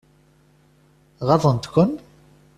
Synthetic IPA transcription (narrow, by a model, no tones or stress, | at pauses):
ʁɑðˤənt̪kʷən